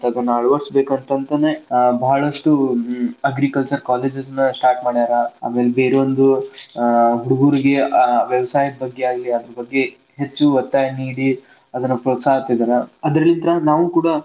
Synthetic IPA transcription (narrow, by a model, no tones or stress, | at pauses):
t̪ɐɐd̪ɐnːaːɭʋɐɾsbe̞ːkɐnt̪ɐnt̪ɐnebɐɦɐɭɐʂʈuɐɡɾikɐlt͡ʃɐɾkaːleːd͡ʒesnːɐsʈaːɾʈmaːɽid̪aːɾɐa̰ːmeːlebe̞ːɾeʋond̪u | ɦuɽuɡuːɾiɡe̞ʋeʋɐsaːjɐʈ̚bɐɡːeaːɡliɐd̪ɾɐbɐɡːe̞ | ɦet͡ʃːuʋɐt̪ːaːɦɐniːɽi | ɐd̪ɐnːɐpɾot̪saɦɐt̪ɐid̪aɾɐɐd̪ɾɐlːint̪ɾɐnaːʋukuːɽa